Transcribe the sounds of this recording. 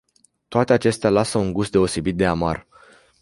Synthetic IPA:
t̪oat̪e̞at͡ʃe̞st̪ealasəuŋɡust̪d̪e̞o̞se̞bit̪̚d̪e̞ama̰r

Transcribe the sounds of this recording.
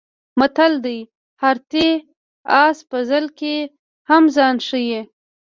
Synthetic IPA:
mat̪ald̪aj | haɾt̪e | ɑspəzəlke | hamzɑnʂəje

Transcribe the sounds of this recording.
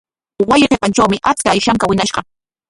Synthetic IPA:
wajɪqepant͡ʃawmɪʔat͡skaːjʃaŋkawɪnaʃɢɑ

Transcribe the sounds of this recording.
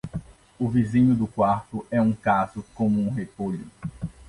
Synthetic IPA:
ʊvizĩɲʊd̪ʊkwaɾt̪ʊʔɛũkazʊkõmʊũɦepoʎʊ̰

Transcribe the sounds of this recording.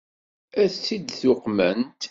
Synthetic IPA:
æt͡sːid̪θʊqmænt̪

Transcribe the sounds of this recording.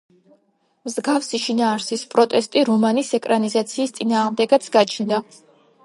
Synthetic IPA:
mzɡafsiʃinaːɾsispʼɾɔt̪ʼɛst̪ʼiɾɔmanisɛkʼɾanizat̪sʰiːst̪sʼinaːʁmd̪ɛɡat̪sʰɡat͡ʃʰnd̪a

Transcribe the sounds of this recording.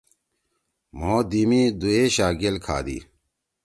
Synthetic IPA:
moːd̪imid̪ueːɕaːɡelkʰa̰ːd̪ḭː

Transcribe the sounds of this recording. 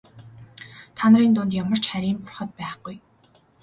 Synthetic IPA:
t̪ʰanəriːnt̪ʊnt̪jamə̆r̥t͡ɕχæɾʲiːmpʊrχə̆t̪̚pæːχɡuj

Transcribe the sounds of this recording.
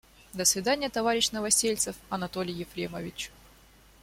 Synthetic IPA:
d̪əsvʲɪd̪anʲɪjət̪ɐvaɾʲɪɕnəvɐsʲelʲt̪səfɐnɐt̪o̞lʲɪjjːɪfɾʲeməvʲɪt͡ɕ

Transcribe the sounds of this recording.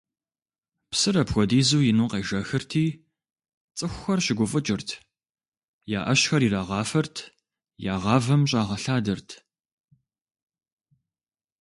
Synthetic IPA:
psɨɾɐpxʷɔdiːzuːjɪnuːqeːʒɐxɨrtʰiː | t͡sʼɨxʷʊxɐrɕɪɡʷʊfʼɨt͡ʃʼɪrtʰ | ja̰ːʔɐɕxɐriːraʁɑːfɐrtʰ | jaːʁɑːvɐmɕ̬ʼaːʁɐɬaːdɐrtʰ

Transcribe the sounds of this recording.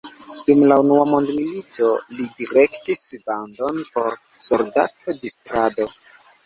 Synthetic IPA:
dumlaunuamo̞ndmilito̞lidiɾe̞ktisbando̞npo̞ɾ | soɾda̰tʰodistɾado̞

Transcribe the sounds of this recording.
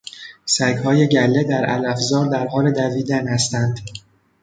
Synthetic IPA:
sæɡhɒːje̞ɟælːe̞d̪æɾæ̰læfzɒːɾd̪æɾɦɒːle̞d̪æviːd̪ænhæst̪ænd̪̥

